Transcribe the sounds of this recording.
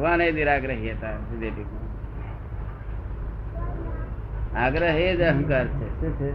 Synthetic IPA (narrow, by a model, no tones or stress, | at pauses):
ʋaːneːd̪iɾaːɡɾəɦjet̪aːsid̪eʈiku | aɡɾəɦed͡ʒɐɦə̃ŋkaːɾt͡ʃʰe